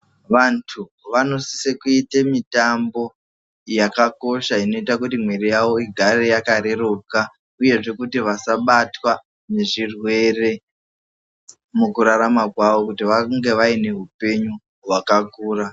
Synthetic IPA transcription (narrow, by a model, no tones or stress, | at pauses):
ʋantʰu | ʋano̞si̥sekuitemitambo̞ | jakako̞ʃaino̞itakutimweɾijaʋo̞iɡʱaɾejakaɾe̞ɾoka | uje̞ʐe̞kutiʋasaɓatwa | ne̞ʐirwe̞re̞ | mukuɾaɾamakwaʋo̞kutiʋaŋɡe̞ʋaine̞ɦupe̞ɲu | ɦwakakuːra